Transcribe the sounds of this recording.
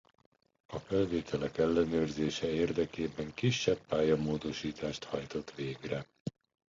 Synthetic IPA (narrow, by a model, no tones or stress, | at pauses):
ɒfɛlveːt̪ʰɛlɛkɛlːɛnøːrzeːʃɛeːrd̪ɛkeːbɛŋkiʃːɛpːaːjɒmoːd̪o̞ʃiːt̪aːʃt̪hɒjt̪o̞t̪ʋeːɡrɛ